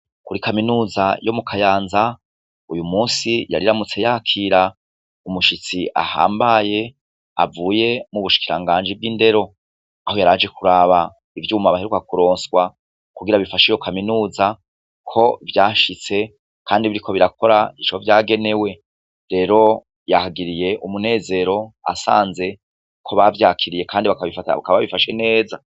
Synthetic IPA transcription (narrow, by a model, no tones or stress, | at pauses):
kuɾikaminuːzajo̞mukʰajaːnza | ujumuːsija̰ɾiɾamut͡se̞jaːkʰiɾa | umuʃit͡siʔa̰ha̰ːmbaje̞ | a̰vuːje̞muβuʃi̥kiɾa̰ŋɡaːnd͡ʒivɡinde̞ɾo̞ | aho̞jaɾaːd͡ʒe̞kuɾaːβa | ivjuːmaβaheɾukakuɾo̞ːnswa | kuɡiɾaβifaʃijokʰaminuːza | kʰo̞vjaːʃit͡se̞ | kʰaːndiβiɾikʰo̞βiɾako̞ɾaiʃovjaːɡe̞ne̞we̞ | ɾe̞ːɾo̞ | jahaɡiɾije̞ʔumune̞ːze̞ɾo̞a̰sa̰ːnze̞ | kʰo̞βavjaːkʰiɾije̞kʰaːndiβakaββifata̰βa̰kaβaβifaʃe̞ne̞ːza